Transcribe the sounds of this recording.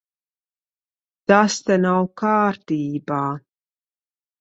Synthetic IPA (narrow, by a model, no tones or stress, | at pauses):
t̪ast̪anawkaːɾt̪iːbaː